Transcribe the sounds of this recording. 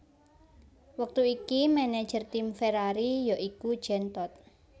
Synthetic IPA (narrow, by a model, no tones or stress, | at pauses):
wək̚t̪uikimɛnɛ̥ʒ̥ərt̪imfeɾaɾijɔʔikud̥ʒ̥ɛnt̪ɔt̪̚